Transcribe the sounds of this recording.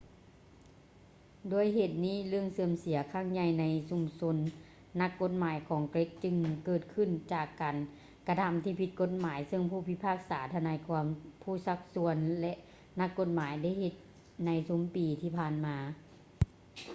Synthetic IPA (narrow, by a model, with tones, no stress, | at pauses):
doː˧˩əjɦe˧˩t̪̚niː˥˩˨lɯ˧əŋsɯ˧əmsi˨˦ɐkʰa˧˥˩ŋɲa˧˩jna˧˥jsu˧˨mso˧˥nː | a˧kːo˧˥t̪̚maː˨˦jkʰɔː˩˦ŋkle˦˥k̚t͡ɕɯ˧ŋkɤː˧˩t̪̚kʰɯ˧˨nt͡ɕaː˨˩kːaː˨n | ka˧t̪ʰa˧˥mt̪ʰiː˧˩pʰi˧t̪̚ko˧˥t̪̚maː˨˦jsɤ˧˨ŋpʰuː˧˩pʰi˧pʰaː˧˥˩k̚saː˨˩˦t̪ʰa˧naː˧˥jkʰɔ˧˦mpʰuː˧˥˩sa˧˥k̚su˧˥ənlɛ˧ʔ | na˧˥kːo˧˥t̪̚maː˨˦jda˧˥˩jɦe˧˦t̪̚ | na˧˥jsu˧˨˦mpiː˨t̪ʰiː˧pʰaː˧˩nmaː˧˦